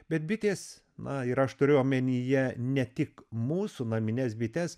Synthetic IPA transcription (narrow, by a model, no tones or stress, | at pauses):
bʲɛt̪̚bʲɪt̪ʲeːs | nɐɪɾɐʃt̪ʊɾʲʊɐmʲɛnʲijɛnʲɛt̪ʲɪkmuːsunɐmʲɪnʲɛsbʲɪt̪ʲɛs